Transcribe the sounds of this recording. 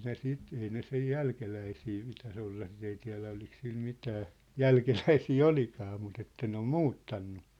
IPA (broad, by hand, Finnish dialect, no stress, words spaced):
ne sit ei ne sej jælkelæisiː pitæs olːɑ sit ei tiæ̝læ olik sil mitæː jælkelæisiː olikɑː mut etːæ ne om muːtːɑnːu